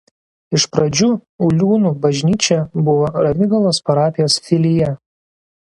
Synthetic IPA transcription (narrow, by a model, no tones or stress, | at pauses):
ɪʃpɾɐd͡ʒʲuʊlʲuːnuːbɐʒʲnʲiːt͡ʃʲɛbʊʋoɾɐʋʲɪɡɐlˠoːspɐɾɑːpʲɪjoːsfʲɪlʲɪjɛ